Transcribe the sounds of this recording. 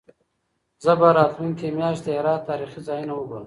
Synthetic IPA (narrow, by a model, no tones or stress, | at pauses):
zəbaɾɑːt̪luŋkemjɑːʃt̪d̪əeɾɑːt̚t̪ɑːɾiχizɑːjinawəɡoɾəm